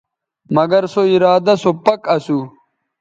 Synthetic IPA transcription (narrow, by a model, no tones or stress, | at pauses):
mɐɡɐɾsoiɾaːd̪ɐsopɐkɐsu